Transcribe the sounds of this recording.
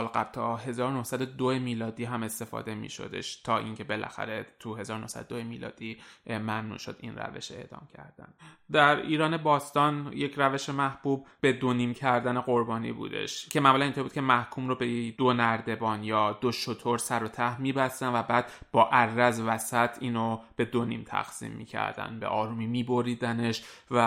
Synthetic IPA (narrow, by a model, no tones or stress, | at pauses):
lɡæb̥lt̪ʰɒːɦe̞zɒːɾono̞hsæd̪od̪oemiːlɒːd̪iːɦæme̞st̪e̞fɒ̰ːd̪e̞mḭːʃo̞̰d̪e̞̰ʃt̪ʰɒːʔiŋcʰe̞be̞lʔæ̰xæ̰ɾe̞t̪ʰuɦe̞zɒːɾono̞hsæ̰d̪od̪oemiːlɒ̰ːd̪̥imæmnṵːʃo̞̰d̪ḭnræ̰ve̞̰ʃe̞̰ʔd̪ɒ̰ːmcʰæ̰ɾd̪æ̰nd̪æɾiːɾɒːne̞bɒːst̪ɒːnjecʰɾæve̞ʃemæhb̥uːb̚be̞d̪oniːmcʰæɾd̪æne̞ɣo̞ɾbɒːnḭbṵːd̪e̞̰ʃcʰe̞mæmuːlænint̪ʰoɾbuːd̪kcʰemæhkʰuːmrobed̪onæɾd̪e̞bɒːnjɒːd̪̥oʃot̪ʰoɾsæɾot̪ʰæhmiːbæst̪ænvæbæːd̪̥bɒːʔærːæzvæsæt̪ʰiːnob̥e̞d̪onḭmt̪ʰæ̰xsḭːmːḭːcʰæ̰ɾd̪æ̰nbe̞̰ʔɒːɾuːmiːmiːbo̞ɾiːd̪æne̞ʃvæ